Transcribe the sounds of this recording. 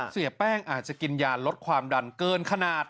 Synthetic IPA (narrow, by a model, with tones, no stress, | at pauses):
si˨˩˦əpɛː˥˩ŋʔaː˨˩t̪̚t͡ɕa˨˩ki˧njaː˧nlo˦˥t̪̚kʰwaː˧mda˧nkɤː˧nkʰa˧naː˨˩t̪̚